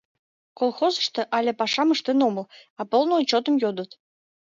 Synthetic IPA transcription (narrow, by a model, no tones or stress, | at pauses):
kolˠxozə̥ʃt̪ɤ̆ʔɑlʲepɑʂɑməʃt̪enoməlɑpolˠnot͡ɕot̪ə̆mjod̪ət̪